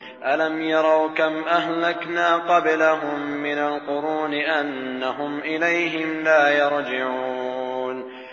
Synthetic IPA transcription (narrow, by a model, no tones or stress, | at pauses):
ʔalamjɑɾˤɑwkamʔahlaknaːqɑblaɦʊmːɪnalqʊɾuːnɪʔanːaɦʊmʔɪlajɦɪmlaːjɑɾˤd͡ʒɪʕuːn